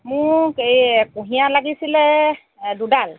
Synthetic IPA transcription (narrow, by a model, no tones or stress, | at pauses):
mʊɹkejkũɦijalaɡisilɛ | dudal